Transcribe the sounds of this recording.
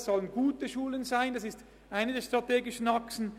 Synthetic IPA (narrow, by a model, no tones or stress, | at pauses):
sz̥ɔlənɡuːtəʃuːlənzaɪndɑsɪst | ʔaɪnədeːɐʃtʁ̥ateːɡɪʃən̩aksn̩